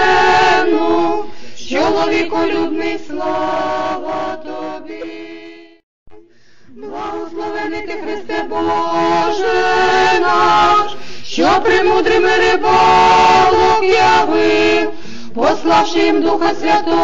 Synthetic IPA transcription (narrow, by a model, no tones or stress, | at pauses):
nu | t͡ʃɔlˠɔʋʲikɔlʲud̪nɪslˠɔʋɐt̪ɔbʲi | blˠaɦɔslˠɔʋɛnɪt̪ɪxɾɪst̪ɛbɔʒɛnɔ | ʃt͡ʃɔpɾɪmud̪ɾɪmɛɾɪbɔlˠɔjaʋɪ | pɔslˠɑwʃɪjimd̪uxɐsʲʋʲat̪ɔ